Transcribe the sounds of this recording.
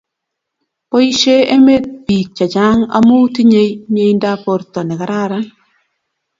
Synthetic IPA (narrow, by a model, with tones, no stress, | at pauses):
po˦i˦ʃe˦e˦me˦t̪̚b̥i˨k̚t͡ʃa˨d͡ʒa˦ŋa̰˦mo˦ti˦ɲe˦jɲe˦jnda˦po˨ɾtɔ˨nɛ˨ka˨ɾa˦˨ɾa˦